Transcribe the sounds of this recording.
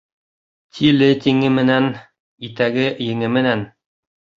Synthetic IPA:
t̪ʰilɘt̪iŋɘmɘ̆næn | it̪æɡɘjɘ̆ŋɘmɘ̆næn

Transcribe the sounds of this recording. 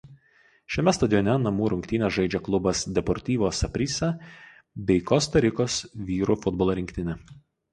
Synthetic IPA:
ʃʲɛmʲɛst̪ɐd̪ʲɪjɔnʲɛnɐmuːɾʊŋkt̪ʲiːnʲɛsʒɐɪd͡ʒʲɛklˠʊbɐsd̪ʲɛpɔɾʲt̪ʲiːʋʲoːsɐpʲɾʲiːsʲɛ | bʲɛɪkɔːst̪ɐɾʲɪkoːsʋʲiːɾufʊd̪bɔlˠoːɾʲɪŋʲkʲt̪ʲɪnʲɛ

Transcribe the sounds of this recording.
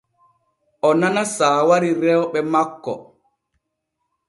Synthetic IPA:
ʔɔnanasaːwaɾiɾɛwɓɛmakːɔ̰

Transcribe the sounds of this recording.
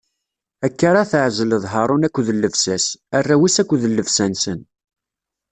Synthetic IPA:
ækːaɾˤɑθəʕzələðˤɦɑɾˤʊnækʷːðəlːəvsæsærːæwisækʷːðəlːəvsænsən

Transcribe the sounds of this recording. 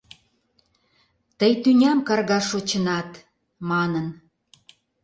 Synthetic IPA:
t̪əjt̪ynʲæmkɑrɣɑʃot͡ɕənɑt̪ | mɑnən

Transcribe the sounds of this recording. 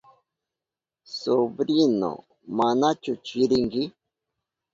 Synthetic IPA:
sobɾino̰ | manat͡ʃut͡ʃiɾiŋɡi

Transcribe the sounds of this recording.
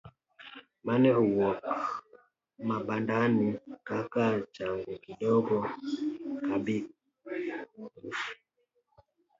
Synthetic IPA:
manɛɾuwɔk | mabandanikakalt͡ʃaŋɡɔkiɗɔɡɔ | kabi | ɾuf

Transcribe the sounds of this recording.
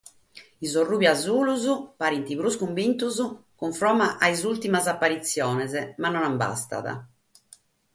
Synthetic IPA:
izorːuːβiazuːluzupaɾint̪iβɾuskumbint̪uzukuɱfɾɔːmaʔaizult̪imazapːaɾit̪sːjɔːnɛzɛmanːɔnamba̰st̪a̰ða̰

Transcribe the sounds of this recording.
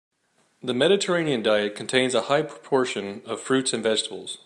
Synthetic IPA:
ðɨmɛɾɨtʰə˞ẽɪ̃niɨ̃ndaɪɨt̚kʰn̩tʰẽɪ̃nzəhaɪpʰɹ̥ə̥pʰɔɹʃɨ̃nʌv̥fɹʉtsɨ̃nvɛd͡ʒtəbl̩ˠz̥

